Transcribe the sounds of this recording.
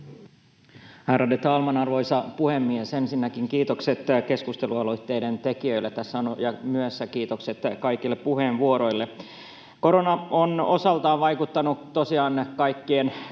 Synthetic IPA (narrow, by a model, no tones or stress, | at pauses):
hæːɾɑdet̪ɑːlmɑnɑrʋo̞jsɑpuhemːiesensinːækiŋkiːt̪okset̪ke̞skust̪e̞luɑlo̞it̪ːe̞jde̞nt̪e̞kiø̞ilːet̪æsːæonojɑmyøsːækiːt̪okset̪kɑikilːepːuheːnʋuoɾo̞jlːe | ko̞ɾonɑono̞sɑlt̪ɑːʋʋɑjkut̪ːɑnut̪osiɑːnkɑjkːien